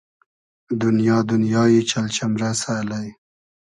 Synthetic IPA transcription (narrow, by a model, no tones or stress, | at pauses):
d̪ʊnjɑːd̪ʊnjɑːjet͡ʃalt͡ʃamɾasalaj